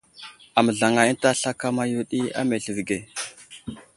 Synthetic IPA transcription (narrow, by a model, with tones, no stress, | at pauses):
a˨mə˨ɮa˨ŋa˨i˦n˦ta˦ɬa˦ka˦ma˦ju˦ɗi˦a̰˦me˨ɮə˨ɾɡe˨